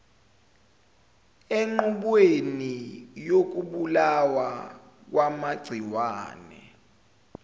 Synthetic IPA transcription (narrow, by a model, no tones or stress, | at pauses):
eŋ͡ǃuɓwenijok̬uɓulawa | k̬wamaɡ͡ǀʱiwaːnɛ̰